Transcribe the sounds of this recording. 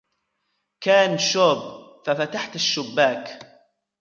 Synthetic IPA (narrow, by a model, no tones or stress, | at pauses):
kaːnʃoːbfafat̪aħt̪aʃːʊbːaːk